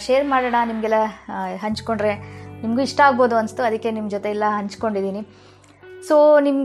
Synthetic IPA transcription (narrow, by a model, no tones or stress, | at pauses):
ʃeːɾmaːɽeɳɐnimɐɡɛlːɐɦɐɲt͡ʃko̞ɳɖɾe̞nimɡuiʂʈɐaːɡboːd̪uɐnst̪ːuɐd̪ɐkːe̞nimd͡ʒot̪e̞ɛlːɐɦɐɲt͡ʃko̞ɳɖid̪iːni | soːnim